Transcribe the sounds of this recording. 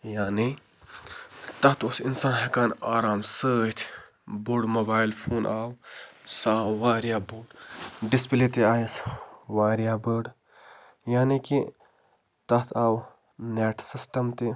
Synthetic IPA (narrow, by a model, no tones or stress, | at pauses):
jaːni | t̪ɐt̪ʰosinsaːnɦekaːnaːɾaːmsəːt̪ʰ | buɖmobaːilpʰuːnʔaːwsaːwwaːɾjaːbuɖɖispileːt̪eaːjisʋaːɾijaːbəːɖ | jaːniki | t̪ɐt̪ʰaːw | neːʈʰsisʈɐmt̪i